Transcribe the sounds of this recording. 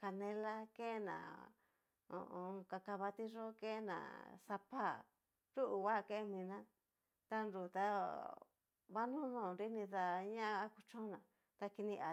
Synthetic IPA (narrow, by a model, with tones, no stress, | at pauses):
ka˧nẽ˧la˦ke˦nã̰˨ | õ̰˧ʔõ˧ka˧ka˧βa˧t̪i˦ʐo˦ke˦nã̰˨sa˧pa˦˨ | ɾu˦ʔu˨wa˦˧ke˦˧mĩ˧nã˦ | t̪a˧nɾu˨t̪a˧ | βa˦nũ˦nũː˦˨nɾi˦nĩ˧ða˧ɲã˦˧˦ku˧t͡ʃõ˦nã˨ | t̪a˧ki˧nĩ˧ʔa˨